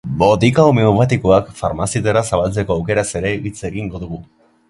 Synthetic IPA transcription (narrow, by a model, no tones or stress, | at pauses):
bo̞t̪ikawmeupat̪ikoakfaɾmasit̪eɾasaβ̞alt͡se̞ko̞awke̞ɾase̞ɾe̞it͡se̞ɣiŋɡo̞ðuɣu